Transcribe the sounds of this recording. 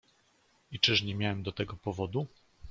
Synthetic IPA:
it͡ʂɘʂɲɛmʲjawɛmd̪ɔt̪ɛɡɔpɔvɔd̪u

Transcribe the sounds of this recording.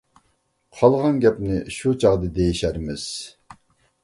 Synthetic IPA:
qʰɑlˠʁɑnɡʲɛpnɪʃut͡ʃʰɑʁd̪ɨd̪ejiʃæɾmɪz̥

